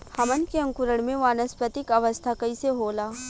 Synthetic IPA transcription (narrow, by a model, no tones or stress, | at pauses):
hɐmənkeɐ̃ŋkʊɾəɽ̃mẽʋaːnəspət̪ɪkɐʋəst̪ʰakɐiseɦoːlaː